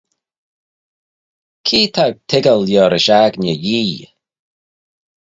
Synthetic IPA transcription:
kʰiːt̪ʰaɡ̚t̪ʰɪɡəljɔːɾɪʃaɡnʲəjiː

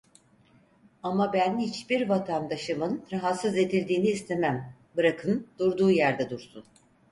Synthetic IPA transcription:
amabænhit͡ʃbiɾvat̪ʰand̪aʃɯmɯnɾaɦat̪sɯze̞d̪ilʲd̪iːniːst̪ʰe̞mæm | bɯɾakʰɯnd̪̥uɾd̪uːjæɾd̪ɛd̪uɾsun

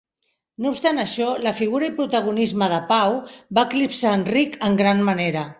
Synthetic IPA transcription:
noupst̪anəʃɔləfiɣ̞uɾɐəipɾut̪əɣ̞unizməðəpawbaəklipsaːnrikəŋɡɾanməneɾə

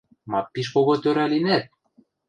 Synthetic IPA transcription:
mɑpːiʃ̬koɣot̪øɾælinæt̪̚

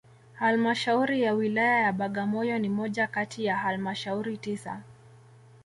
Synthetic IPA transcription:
halmaʃauɾijawilajajaɓaɠamɔjɔnimɔʄakatijahalmaʃauɾitisa̰

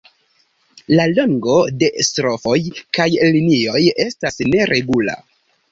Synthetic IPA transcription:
laloŋɡo̞de̞stɾo̞fo̞jkajlinio̞je̞stasne̞ɾʔe̞ɡula̰

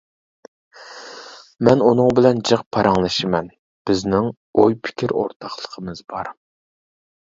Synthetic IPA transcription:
mɛnunɨŋbɪlɛnd͡ʒɨqpʰːɑɾʔɑŋlˠɨʃɨmɛn | b̥ɪznɪŋ | ojpʰɪ̥kʲʰiɾo̰ɾt̪ʰɑχlˠəqʰəmɨzbɑɾ

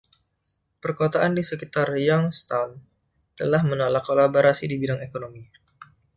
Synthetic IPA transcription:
pərkot̪aʔandisəkit̪arjaŋst̪an | t̪əlahmənolakːolaboɾasidibidaŋekonomi

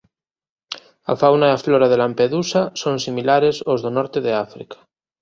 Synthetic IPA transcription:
a̰fawnaiafloɾað̞elampeðusasonsimilaɾesozðonɔɾt̪eðeafɾḭkḁ

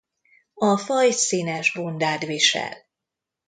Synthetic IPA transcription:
ɒfɒjsiːnɛʒbond̪aːd̪viʃɛ̰l

